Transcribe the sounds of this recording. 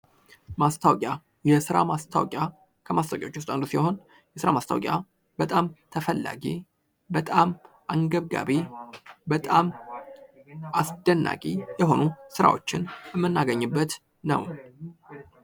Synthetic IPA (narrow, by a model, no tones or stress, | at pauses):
mast̪ʰawkʼja | jɛsɨɾa̰mast̪ʰa̰wkʼja | kʰəmast̪awkʼjaot͡ʃːwʊst̪ʼand̪usiho̞n | jɛsɨɾamast̪ʰaw̰kʼja | bət̪ʼamt̪ʰəfəlːa̰ɡi | bət̪ʼam | ʔaŋɡəβɡa̰βibət̪ʼam | ʔasd̪ənːa̰kʼijɛɦo̞nusɨɾa̰wo̞̰t͡ʃːɪnjɛmːɨnːaɡəɲːɨbːət̪ | nə̰w